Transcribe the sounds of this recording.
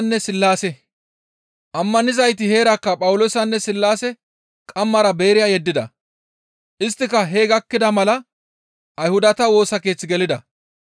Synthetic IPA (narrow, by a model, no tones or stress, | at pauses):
nːɛsɪlːaːsɛ | ʔɐmːɐnɪzɐjt̪̬ɪhe̞ːɾɐkːɐpʼɐwʊlo̞ːsɐnːɛsɪlːaːsɛ | kʼɐmːɐɾɐbe̞ːɾɪjaːjɛd̪ːɪd̪ɐ | ʔɪst̪ːɪkɐɦe̞ːɡɐkːɪd̪ɐmɐlɐ | ʔɐjhʊd̪ɐt̪ɐwo̞ːsɐke̞ːt͡sːɪɡɛlɪd̪ɐ